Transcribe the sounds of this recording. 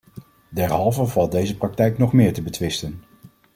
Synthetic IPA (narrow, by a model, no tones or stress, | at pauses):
dɛɹɦɑlˠvəɹvɑlˠt̚dejzəprɑk̚tɛjknɔχmɪːɹtəbətʋɪstən